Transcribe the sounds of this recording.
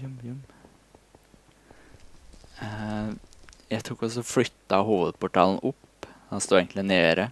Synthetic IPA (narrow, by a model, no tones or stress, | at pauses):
m | jæɪt̪ʰukːɔs̬ɔflʏt̪ːɑɦuːʋəd̪pʊʈɑːlnʊp | hɑnst̪uːeːɡŋk̪lɪneːɾə